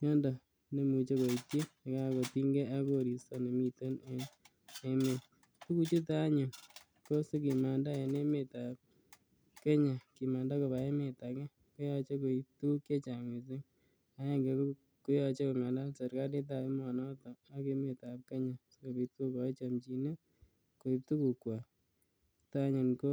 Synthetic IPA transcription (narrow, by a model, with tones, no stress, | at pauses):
ɲɔ˦ndɔ˨ | ne˨mu˨t͡ʃe˦ko˨i˨tji˦e˨ka˦˨ko˨ti˦ŋɡe˦ʔa˦ko˦˨ɾi˨sɔ˦ne˨mi˦˧to˦ne˦ | e˦me˨ | su˦ku˦t͡ʃu˦ta˦ɲʊ˨ | ko˦se˦k̬i˨ma˨nda˦e˨ne˦me˨ta˨p̚ | ke˦ɲa˨ki˨ma˨nda˦ko˨ba˨e˦me˨ta˨kɛ˦ | ko˦jɔ˧t͡ʃe˦ko˨i˦p̚tu˦u˦kje˦t͡ʃa˨ŋe˨s̬ɪ˦ŋ | a˨˦ja˦ŋɡe˨k | kʊ˦jɔ˧t͡ʃe˦ko˨ma˨nda˦lse˨ɾka˦di˦t̬a˨e˦mɔ˨nɔ˦tɔ˨a˦ke˦me˨ta˨p̚ke˦ɲa˨so˦ko˨bi˨to˦kɔ˨˦t͡ʃa˨mt͡ʃi˨ne˦ | ko˨i˨p̚tu˦ku˨kwa˨ | ta˦ɲʊ˨nko˦